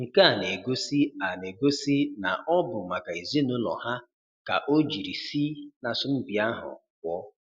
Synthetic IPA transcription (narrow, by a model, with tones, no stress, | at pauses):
ŋ̩˨ka˦a˨ne˨ɡo˦si˦a˨ne˨ɡo˦si˦na̰˨ʔɔ˦bʊ˨ma˨ka˨i˨zi˦nʊ˦lɔ̰˨ha˦ | ka̰˨ʔo˦d͡ʒi˨ɾi˨si˦na˨sʊ˦m̩˦bi˨a˦ɦʊ̰˨k̚ʷɔ˦